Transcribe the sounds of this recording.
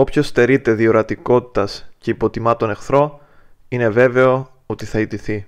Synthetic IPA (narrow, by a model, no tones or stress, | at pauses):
o̞pço̞st̪e̞ɾit̪e̞ðioɾɐt̪iko̞t̪i̥t̪ɐsce̞ipo̞t̪imɐt̪o̞ne̞xθɾo̞ | ine̞ve̞ve̞o̞ | ot̪iθɐit̪iθi